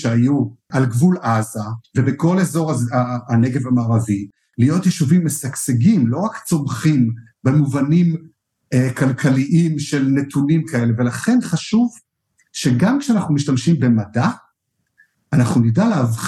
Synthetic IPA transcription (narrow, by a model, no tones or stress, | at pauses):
eajuʔalɡvulazavebeko̞lezo̞ʁaaːneɡe̞vamaːʁavi | lijo̞tjeʃuvimːesakseɡimlo̞ʁakt͡so̞mχim | bemuvanim | ekalkʰaliʔimʃelne̞tʰunimkae̞le̞ve̞laχe̞nχaʃuv | ʃe̞ɡamkʃeanaχnumiʃtamʃimbe̞mada | anaχnunidaleavχ